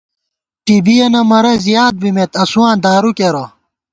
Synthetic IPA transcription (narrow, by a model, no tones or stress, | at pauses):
ʈibijɐnɐmɐɾɐzijaːd̪̚bimet̪ɐsuãːnd̪aːɾukeɾo